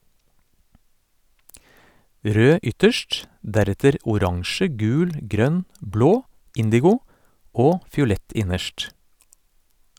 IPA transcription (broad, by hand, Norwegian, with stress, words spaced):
ˈɾøː ˈʏtəʃʈ ˈdæɾɛtəɾ ʊˈɾɑŋʃə ˈɡʉːl ˈɡɾœn ˈbloː ˈɪndɪɡʊ ˈoː fɪʊˈlɛt ˈɪnəʃʈ